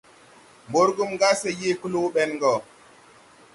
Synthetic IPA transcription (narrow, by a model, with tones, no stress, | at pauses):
mbo˦ɾɡu˦mŋɡa˦se˨je˦ku˦lo˦ɓɛ˦nŋɡɔ˨